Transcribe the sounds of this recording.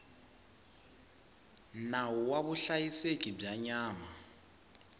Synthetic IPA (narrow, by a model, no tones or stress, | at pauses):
nauwaβuɬajisekʼib͡ʐaɲaːma